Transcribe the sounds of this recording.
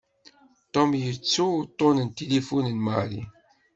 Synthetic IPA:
t̪omjət͡sːut̪ˤːonənt̪elifunənmalḭ

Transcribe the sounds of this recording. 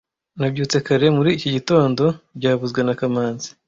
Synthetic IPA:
nabɟuːt͡se̞kaɾe̞muɾiːcoɟito̞ːndo̞bɟaːβuzɡwenakamaːnzi̥

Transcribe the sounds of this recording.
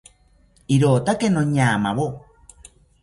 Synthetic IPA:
iɾoːt̪akenoɲaːmaβo

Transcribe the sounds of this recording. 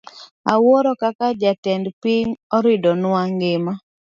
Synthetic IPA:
awoɾɔkakad͡ʒatɛndpiɲɔɾɪdɔnʊaŋɡɪma

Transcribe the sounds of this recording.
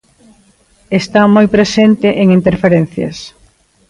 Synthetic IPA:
est̪amojpɾesent̪ɪʔeŋint̪eɾfeɾen̟θjɐ̰s

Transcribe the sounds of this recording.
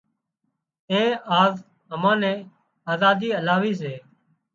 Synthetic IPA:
ẽːaːz | ɦəmãːnɛ̃ː | aːzaːd̪iːəlaːʋiːs̬eː

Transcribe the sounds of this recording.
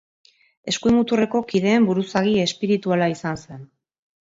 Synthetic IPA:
e̞skuimut̪ure̞ko̞kið̞e̞ːmbuɾusaɣie̞spiɾit̪ualaisanse̞n

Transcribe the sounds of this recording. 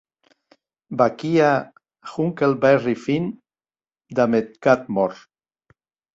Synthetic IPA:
bakia | xuŋkelbɛrifin | d̪amet̪̚kat̪̚mɔɾ

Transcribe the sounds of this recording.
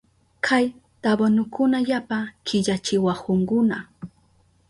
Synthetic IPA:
kʰaj | t̪abonʊkʰʊnaʎapakʰɪʎat͡ʃɪwahʊŋkʊna

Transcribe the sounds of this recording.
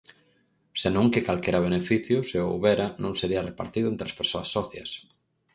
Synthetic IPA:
senõŋkɪkalkeɾɐβ̞enefiθjʊseowβɛɾɐnõŋseɾiɐrepa̰ɾt̪iðʊent̪ɾeaspeɾsoɐsːɔθjɐ̰s

